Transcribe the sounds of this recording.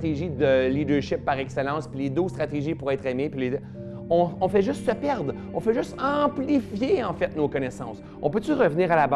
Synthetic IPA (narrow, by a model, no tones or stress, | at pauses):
t̪eʒid̪əlid̪œʁʃɪpːaʁɛksɛlɑ̃spiled̪ost̪χat̪eʒipuʁɛːt̪χemepiled̪ | ɔ̃ɔ̃fɛʒʏst̪səpɛʁd̪ʁ | ɔ̰̃fɛʒʏst̪ɑ̃plifjeɑ̃fɛt̪̚nokɔnɛsɑ̰̃s | ɔ̃pøtt͡syʁəvniːʁalab